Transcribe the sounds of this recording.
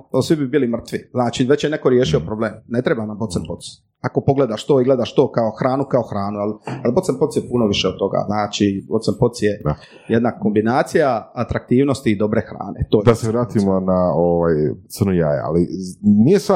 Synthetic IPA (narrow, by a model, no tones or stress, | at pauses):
osʋibibilimr̩t̪ʋiznaːt͡ʃiʋe̞t͡ɕjeneko̞ɾjeːʃiopɾobleːmne̞t̪ɾebanambot̪senpot̪s | ako̞po̞ɡled̪aʃt̪oiɡle̞d̪aʃt̪o̞ːkaoxɾaːnukaoxɾaːnualalbosemposjepunoʋiʃeod̪̚t̪o̞ɡa̰ːznaːt͡ʃibot̪senpot̪sjea | jed̪nako̞mbinaːt̪sijaat̪ɾak̚t̪iːʋnost̪iːd̪o̞bɾexɾa̰ːnḛt̪od̪aseʋɾaːt̪imonaoʋaːjt̪əɾnujaːja̰a̰linijesa